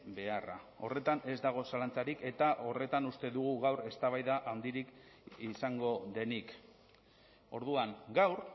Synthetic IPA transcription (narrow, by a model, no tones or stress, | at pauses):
be̞ara̰o̞re̞t̪ane̞zd̪aɣ̞o̞salant͡saɾike̞t̪aʔo̞re̞t̪anust̪e̞ðuɣ̞uɣawɾe̞st̪aβajðaʔand̪iɾik | isaŋɡo̞ðe̞nik | o̞ɾðuaŋɡawɾ